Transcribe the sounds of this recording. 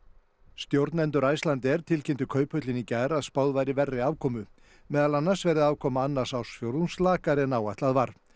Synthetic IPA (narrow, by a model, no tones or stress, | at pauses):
st̪jowɾt̪nɛnt̪ʏɾaːjst̪lant̪ɛɾ̥t̪ʰɪlcʰent̪ʏkʰœːɥpʰhœt̪lɪnicajɾaðspaːwðvajɾɪvɛrːɪaːvkʰɔːmʏ | mɛːðalanːaɾ̥svɛːɾðɪðaːwkʰɔːmaanːaɾ̥sawsfjowɾðnslaːkaɾɛnaːwajt̪aðvaɾ̥